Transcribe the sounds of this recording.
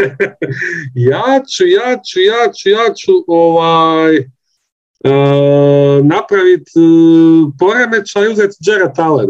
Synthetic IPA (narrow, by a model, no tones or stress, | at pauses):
jaːt͡ɕujaːt͡ɕujaːt͡ɕujaːt͡ɕuʔoʋaːj | ə | napɾaʋit̪ | po̞ɾemet͡ʃaiuzet̪d͡ʒeɾat̪aleb